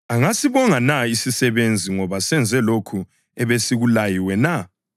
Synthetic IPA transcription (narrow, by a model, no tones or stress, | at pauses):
aŋasiβɔŋanaisisɛβend͡zʱiŋɔβasɛnd͡zʱɛlokʰu | ɛβesiɣulajiwɛna